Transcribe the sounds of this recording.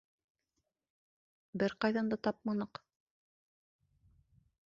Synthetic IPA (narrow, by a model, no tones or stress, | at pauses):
bɘɾqɑjðɑnd̪ɑt̪ɑp̚mɑnɤq